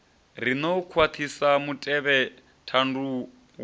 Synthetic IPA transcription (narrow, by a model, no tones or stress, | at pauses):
r̤inokʰwat̪ʰisamutʼɛβɛ | tʰandu | w